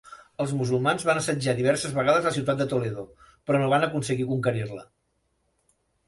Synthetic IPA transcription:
əlˠzmuzulˠmanzβanəsəd͡ʒaðiβɛɾsəzβəɣaðəzləsiwt̪at̪d̪ət̪oleðo | pɾɔnoβanəkunsəɣikuŋkəɾirlə

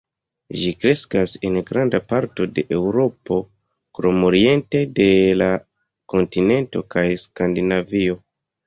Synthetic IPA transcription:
ʒikɾe̞skase̞nɡɾandapaɾto̞de̞ʔewɾo̞po̞ | kɾo̞mo̞ɾie̞nte̞de̞la | ko̞ntine̞nto̞̰kajskandinavio̞

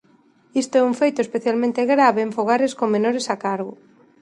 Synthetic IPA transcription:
ist̪oɛuɱfejt̪ʊespeθjalmẽnt̪eɣɾaβeːɱfoɣ̞aɾeskoŋmenoɾesakaɾɣʊ

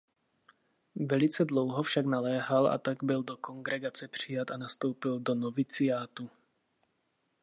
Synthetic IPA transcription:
vɛlɪt͡sɛdlowɦofʃaɡnalɛːɦala̰t̪aɡbɪldoko̞ŋɡɾɛɡat͡sɛpr̝̥ɪjat̪anast̪o̞wpɪldo̞novɪt͡sɪjaːt̪u

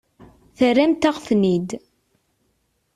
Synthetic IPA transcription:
θəræmt̪aʁfnid̪

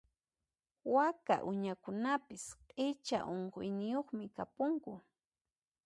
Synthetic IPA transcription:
waka̰ʔʊɲakʊnapɪsqʼɪt͡ʃa̰ʔoɴɢojnɪjoχmɪkapʊŋkʊ

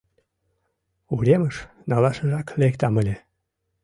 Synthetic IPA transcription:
uɾeməʃ | nɑlɑʃəʒɑklekt̪ɑməlʲe

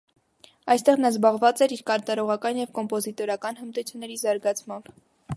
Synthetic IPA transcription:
ɑjst̪ɛʁnɑzbɑʁvɑt͡sɛɾiɾkɑɾt̪ɑɾɔʁɑkɑnjɛvkɔmpɔzit̪ɔɾɑkɑnhəmt̪ut͡sʰjunːɛɾizɑɾɡɑt͡sʰmɑmb̥

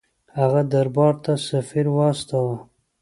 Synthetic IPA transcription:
haɣad̪aɾbɑːɾt̪asafiɾwɑst̪awa

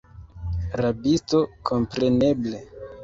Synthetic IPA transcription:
ɾabisto̞kʰo̞mpɾe̞ne̞ble

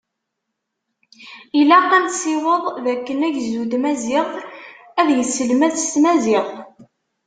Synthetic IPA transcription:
ilæqːæmt̪siwəðˤðækːənæʝzud̪mæzɪʁ | æðjəsːəlmæθst̪mæzɪʁ

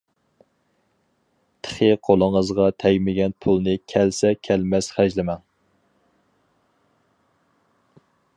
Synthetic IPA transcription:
t̪ʰə̥χɨqʰolˠəŋəzʁɑt̪ʰɛɡʲmɪɡʲɛnpʰulˠnɨkʲʰɛlsɛkʲʰɛlmɛsχæʒlɪmɛŋ

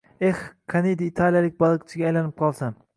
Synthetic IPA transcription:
ehkʰanid̪aːt̪ʰalˠijalɪk̚ʲbɒlˠɨqt͡ʃʰɪɡʲaːjlanɪp̚qʰɒlˠsam

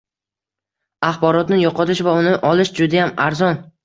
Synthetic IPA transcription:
aχbɒɾɒt̪nɪjɒqɒt̪ɪʃvaʊnɪʔɒlɪʃd͡ʒʊd̪ajamaɾzɒn

